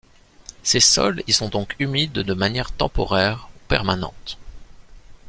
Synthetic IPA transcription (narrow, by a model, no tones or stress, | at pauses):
sesɔ̰lilsɔ̃d̪ɔ̃kʰymid̪d̪əmanjɛʁt̪ɑ̰̃pɔ̰ʁɛʁupɛ̰ʁmanɑ̰̃t̪